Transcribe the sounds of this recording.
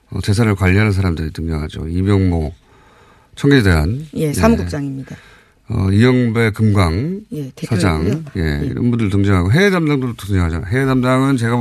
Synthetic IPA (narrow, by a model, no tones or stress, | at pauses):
ʌ̰t͡ɕe̞s̬ʰaɾɯɭkwaʎːiɦanɯns̬ʰaɾamdɯɾitɯŋɲʌŋɦa̰d͡ʑo̰imjʌŋmo | t͡ɕʰʌŋɡed͡ʑdeɦa̰njesamɡut͡ɕ͈aŋimɲid̥a | ʌ̰ijʌŋbe̞kɯmɡaŋjesʰad͡ʑaŋje̞̰ḭɾʌ̰nbundɯɾtɯŋd͡ʑʌŋɦaɡoɦe̞edamdaŋdodot͈otɯŋd͡ʑʌŋɦad͡ʑanɦe̞edamdaŋɯnt͡ɕe̞ɡa